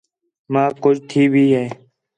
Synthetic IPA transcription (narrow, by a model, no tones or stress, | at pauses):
mãːkʊd͡ʒt̪ʰiːbʱiːɦɛː